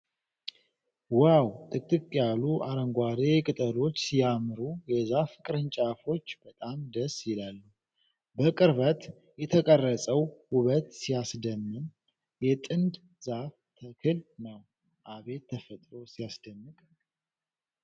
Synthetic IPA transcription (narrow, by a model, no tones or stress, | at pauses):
wawt̪ʼɨkt̪ʼɨkʼjaluʔaɾəŋɡʷaɾekʼɨt̪ʼəlo̞t͡ʃːsijamɨɾujɛzafɨkʼɨɾɨnt͡ʃʼafo̞t͡ʃːb̥ət̪ʼamd̪əsjɪlalːu | bəkʼɨɾβət̪ | jɛt̪ʰəkʼərːəsʼəwhuβət̪sijasd̪əmːɨn | jɛt̪ʼɨnd̪ | zaf | t̪ʰəkʰɨlnəw | ʔaβe̞t̪ʰːəfət̪ʼɾo̞sijasd̪əmːɨkʼ